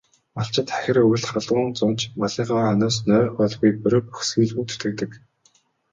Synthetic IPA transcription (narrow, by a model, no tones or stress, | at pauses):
maɬt͡ɕɪ̆t̪χæ̥xʲɪ̆rɵj̆ʲɮχaɮʁʊːnt͡sʊnt͡ɕmaɮiːɢaːœnʊːs̬nœːpɔɮɣujpɵɾɵ̆p̚puxsɡiːɮuːt̪ɵ̥t̪ɡɘ̆t̪ɘ̆k